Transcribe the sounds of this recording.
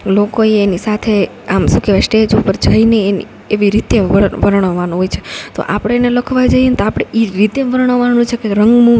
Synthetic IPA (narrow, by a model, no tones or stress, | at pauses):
lokoeːnisat̪ʰe | amsukʰeʋaʃʈied͡ʒupəɾd͡ʒaineːnḭ | eʋiɾit̪eʋəʋəɾɳ̃əʋanũɦojt͡ʃʰe̥t̪o̰ʔa̰pɽ̃eːneləkʰʋad͡ʒajent̪oapɽ̃eiɾit̪eʋəɾɳ̃əʋanũt͡ʃʰekeɾəŋɡmũ